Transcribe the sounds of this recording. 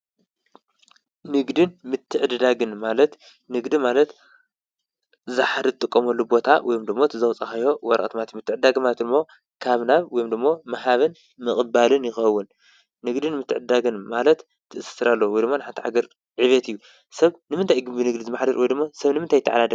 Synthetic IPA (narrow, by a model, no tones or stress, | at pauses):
nɨɡd̪ɨnmɨt̪ʰːɨʕɨd̪d̪aɡɨnmalɐt̪ | nɨɡd̪imalɐt̪ | zaħad̪ɨt̪ʼɨkʼːɐmɐlːubo̞t̪ʰawɔjomd̪ɨmːot̪ʰɨzɐwt͡sʼɐxɐjo̞wɐɾɐ̰ʔʼt̪mat̪ijumɨt̪ʰːɨʕɨd̪aɡɨmalɐt̪d̪ɨmːo̞ | kʰaβnaβwɔjomd̪ɨmːo̞mɐɦaβɨn | mɨχʼbalɨnjɪxɐwːʊnː | ɨɡd̪ɨnmɨt̪ʰːɨʕɨd̪d̪aɡɨnmalɐt̪ | t̪ʰːɨʔɨsɨ̥sɨɾalːɐwwɔjd̪ɨmːonħant̪ʰʕa̰ɡɐɾ | ʕiβɐt̪ɨjːu | sɐβnɨmɨnt̪ʰajɡɨmbinɨɡd̪izɨmaħd̪ɐɾwɔjd̪ɨmːosɐβnɨmɨnt̪ʰajt̪ʰːa̰ʕa̰lad̪ɐ